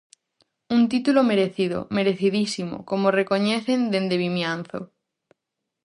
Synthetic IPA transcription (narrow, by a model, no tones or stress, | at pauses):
unt̪it̪ulomeɾeθiðo̰meɾeθiðisimo̰komorekoɲeθend̪end̪eβimjan̟θo̰